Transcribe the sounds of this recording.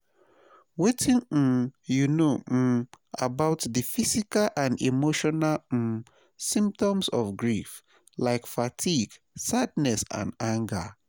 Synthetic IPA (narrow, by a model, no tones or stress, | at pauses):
wetʰĩnm̩junom̩abaʊtðɨfisikalʔãnḭmoʃɔnalm̩ | sĩmp̚tɔ̃msɔfɡɹif | laɪkfatʰiɡ | sadnɛsã̰nãŋɡə